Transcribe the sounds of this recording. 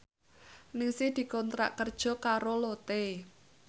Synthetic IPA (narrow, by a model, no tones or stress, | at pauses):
nɪŋsɪhd̪̥i̤kɔnt̪ɾa̰ʔkərd̥ʒ̥ɔ̤kaɾolot̪e